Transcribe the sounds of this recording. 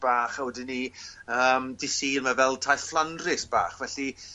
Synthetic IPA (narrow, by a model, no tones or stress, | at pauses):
b̥aːχawɛdɪniəːmdɪsiːrmavɛlˠtʰajθflˠandrɪsb̥a̰ːχvɛɬi